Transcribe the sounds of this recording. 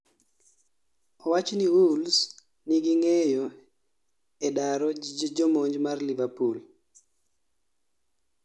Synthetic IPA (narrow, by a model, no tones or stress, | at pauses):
ɔwat͡ʃniwuls | niɡɪŋɛjo | edaɾɔd͡ʒɔmoɲd͡ʒmarlivapul